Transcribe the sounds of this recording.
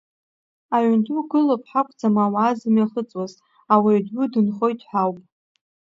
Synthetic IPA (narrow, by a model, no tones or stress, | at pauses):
aʕntʰʼuɡɨlopʼħakʷʼd͡zamawaːzɨmjaχət͡sʼwaz | awaɥdʊdɨnχo̞jtʰʼħʷᶣawpʼ